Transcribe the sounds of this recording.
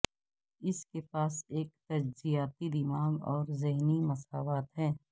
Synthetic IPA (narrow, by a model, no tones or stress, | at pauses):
ɪskepaːseːk̚t̪ɐd͡ʒzijaːt̪id̪ɪmaːɡɔːɾzɪɦnimɐsaːʋaːt̪ɦɛ̃ː